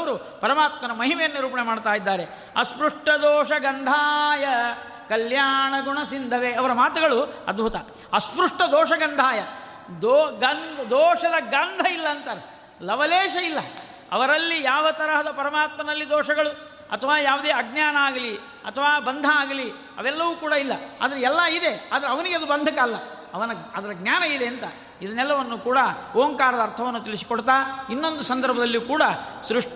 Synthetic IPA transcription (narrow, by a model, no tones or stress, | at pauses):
ɐʋɐɾu | pɐɾɐmaːt̪mɐnɐmɐɦimɛjɐnːiɾuːpɐɳemaːɖt̪aːjid̪ːaːɾe | ɐspɾuʂʈɐd̪ɔːʃɐɡɐnd̪ʱaːjɐ | kɐljaːɳɐɡuɳɐsind̪ʱɐʋeɐʋɐɾɐmaːt̪uɡɐɭuɐ̰d̪̚bʱut̪ɐ | ɐspɾuʂʈɐd̪ɔːʂɐɡɐnd̪ʱaːjɐ | d̪ɔɡɐnd̪d̪ɔːʂɐd̪ɐɡɐnd̪ʱɐilːɐːnt̪ɐɾ | lɐʋɐleːʃɐilːɐ | ɐ̰ʋɐɾɐlːijaːʋɐt̪ɐɾɐɦɐd̪ɐpɐɾɐmaːt̪mɐnɐlːid̪ɔːʂɐɡɐɭu | ɐ̰t̪ʰɐʋaːjaːʋud̪eːɐɡ̚njaːnɐaːɡɐli | ɐ̰t̪ʰɐʋaːbɐnd̪ʱɐaːɡɐli | ɐ̰ʋɛlːɐʋuːkuːɽɐilːɐ̰a̰ːd̪ɐɾeɛlːɐid̪e̞aːd̪ɐɾɐʋɐniɡeɐd̪ubɐnd̪ʱɐkɐlːɐ | ɐʋɐnɐɐd̪ɐɾɐɡnʲjaːnɐid̪e̞ːnt̪ɐ | id̪ɐnɛlːɐʋɐnːukuːɽɐoːŋkaːɾɐd̪ɐːɾt̪ʰɐʋɐnːut̪iɭisi̥koɽt̪aːinːo̞nd̪usɐnd̪ʱɐɾbʱɐd̪ɐlːikuːɽɐsɾuʂʈ